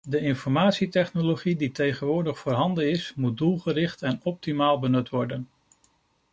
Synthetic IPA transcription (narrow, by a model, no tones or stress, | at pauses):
dəɪnfɔɹmaːtsitɛχnoloχiditejχənʋʊːɹdəχfʊːɹɦɑndənɪsmut̚dulˠχərɪχtɛnɔp̚timaːlˠbənɵtʋɔɹdən